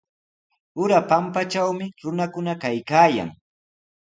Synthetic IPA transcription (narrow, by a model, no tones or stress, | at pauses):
ʊɾapampat͡ʃawmɪɾʊnakʊnakajkaːja̰ŋ